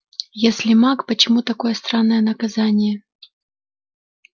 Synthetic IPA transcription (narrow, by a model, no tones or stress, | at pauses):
jesʲlʲɪmakpət͡ɕɪmut̪ɐko̞jəst̪ɾanːəjənəkɐzanʲɪjə